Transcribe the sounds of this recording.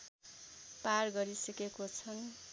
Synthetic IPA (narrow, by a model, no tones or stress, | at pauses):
parɡʌɾisʌkekot͡sʰʌn